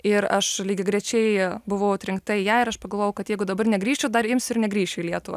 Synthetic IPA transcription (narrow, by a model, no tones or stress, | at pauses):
ɪɾɐʃlʲiːɡʲɪɡɾʲɛt͡ʃʲɛɪbʊʋɐʊʊt̪ʲɾʲɪŋk̚t̪ɐɪjæːɪɾɐʃpɐɡɐlˠʋoːjɛʊkɐt̪jɛɪɡʊd̪ɐbɐrnʲɛɡɾʲiːʃt͡ʃʲʊd̪ɐɾɪmʲsʲʊɪɾnʲɛɡɾʲiːʃʲt͡ʃʲʊilʲiɛt̪ʊʋɐ̰